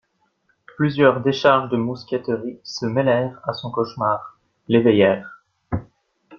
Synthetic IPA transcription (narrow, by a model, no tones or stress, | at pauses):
plyzjœʁd̪eʃaʁʒd̪əmuskʲɛt̪əʁisəmɛlɛʁasɔ̃kɔʃmaːʁ | levejɛːʁ